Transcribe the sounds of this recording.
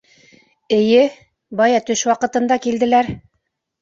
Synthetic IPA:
ɘ̆jɘ | bɑjɑt̪ɵʃwɑqɤ̆t̪ɤ̆nd̪ɑkild̪ɘ̆læɾ

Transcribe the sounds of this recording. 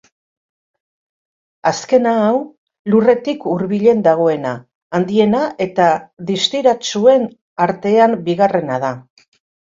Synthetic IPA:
aske̞naːw | lure̞t̪ikuɾβiʎe̞nd̪aɣ̞o̞e̞naː | nd̪ie̞naʔe̞t̪aðist̪iɾat͡ʃue̞n | aɾt̪e̞ambiɣ̞are̞naða

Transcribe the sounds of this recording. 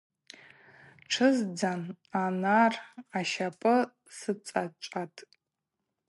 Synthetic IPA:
ʈ͡ʂʰɨzd͡zan | anaraʃapʼɨ | sɨt͡sʼat͡ʃʷʼatʼ

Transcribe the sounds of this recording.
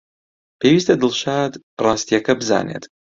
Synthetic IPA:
pʰeːwiːst̪ɐd̪ɨlˠʃaːd̪ | rˤɑːst̪ijɐkɐbɨza̰ːnḛːt̪

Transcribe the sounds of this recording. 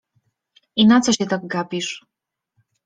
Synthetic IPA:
inat̪t͡sɔɕɛt̪ak̚ɡapiʂ

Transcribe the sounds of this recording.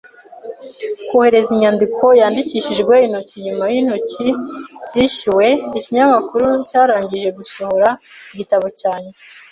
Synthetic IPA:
kuhe̞ɾe̞ziɲɲandikʰo̞jaːndiciːʃiʒɡwe̞in̥ociɲumajiːn̥hociz̥iːʃiwe̞iciɲamakuɾucaːɾaːɲɟiʒe̞ɡusohoɾaiɟitaβocaːɲe

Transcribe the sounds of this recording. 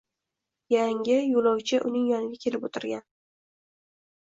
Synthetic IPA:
jaŋʲɪjolˠɒwt͡ʃʰɪʔʊnɪŋjɒnɪɡʲakʲʰe̞lɪpot̪ʰɪɾɡʲan

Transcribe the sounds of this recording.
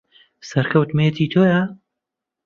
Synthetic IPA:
sɐɾkʰɐwt̪met̪ʰiːt̪ʰoːja

